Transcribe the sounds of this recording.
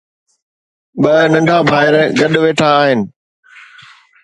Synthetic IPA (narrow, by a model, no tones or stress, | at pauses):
ɓɐnɐ̃ɳɖʱabʱaːɪɾɡɐɗʋeːʈʰaːɦɪnɪ̆